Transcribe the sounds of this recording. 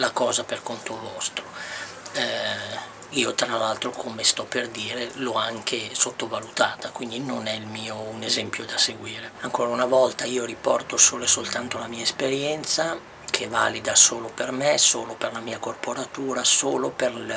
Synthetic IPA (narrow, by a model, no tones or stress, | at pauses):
lakɔːzaperkont̪ovɔst̪ɾo | ɛ | iːot̪ɾalalt̪ɾokʰomest̪ɔpːerd̪iːɾelɔaŋkʰesot̪ːovalut̪aːt̪akwind̪inonɛilmiːounezɛmpjod̪aseɡwiːɾeaŋkoːɾaunavɔlt̪aiːoɾipɔrt̪osoːlesolt̪ant̪olamiːaespeɾjɛnt̪sa | kʰeva̰ːlid̪asoːlopermesoːloperlamiːakorpoɾat̪uːɾasoːloper